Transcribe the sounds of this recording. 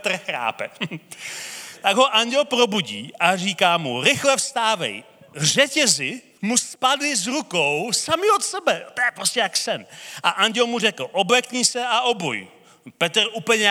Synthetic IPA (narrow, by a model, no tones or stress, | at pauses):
t̪rxɾa̰ːpɛ̰ | t̪aɡɦo̞ʔaɲɟɛlpɾo̞buɟiːʔariːkaːmuɾɪxlɛfst̪aːvɛ̰j | r̝ɛcɛzɪ | muspadɪzɾukowsamɪot̪sɛbɛt̪ojɛpɾoscɛjaksɛnʔaʔaɲɟɛlmur̝ɛkl̩ʔobɛkɲiːsɛaʔobṵj | pɛt̪ɾuːpl̩ɲɛ